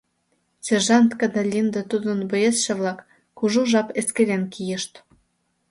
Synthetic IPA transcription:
sʲerʒɑnt̪kɑd̪ɑlʲind̪ət̪ud̪ənbŏjesʃĕβlɑkː | uʒuʒɑpeskeɾenkijə̆ʃt̪

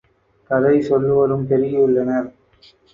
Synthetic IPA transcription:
kɐðɐɪsɔlːɯʋɐɾɯmt̪ɛɾɪjɐɯɭːɐnɐɾ

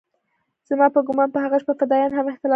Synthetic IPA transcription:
z̥amɑpəɡʊmɑnpəɦhaɣaʃpəqad̪ɑjɑnhamɪxt̪ɪlɑ

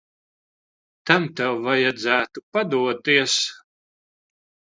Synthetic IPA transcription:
t̪amt̪ɛwvajad̪zæːt̪upad̪uɔt̪iɛs

